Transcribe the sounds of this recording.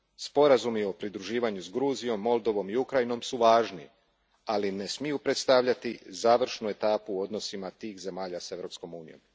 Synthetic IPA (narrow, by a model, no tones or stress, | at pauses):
spo̞ɾazumio̞pɾid̪ɾuʒiːʋaɲuzɡɾuːzijo̞mːo̞lˠd̪o̞ʋo̞miukɾajino̞msuʋaːʒnḭ | aline̞smijupɾe̞t̪st̪aʋʎat̪izaːʋr̩ʃnue̞t̪aːpuo̞d̪no̞simat̪iːxze̞maːʎase̞ʋɾo̞ːpsko̞muːnijo̞̰m